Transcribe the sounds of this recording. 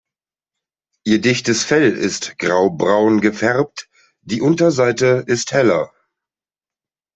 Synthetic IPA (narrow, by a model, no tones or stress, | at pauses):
ʔiːɐdɪçtəsfɛlɪ̰stɡ̥ʁaʊbʁaʊnɡəfɛʁp̚t | d̥iːʔʊntɐzaɪtəɪsthɛlɐ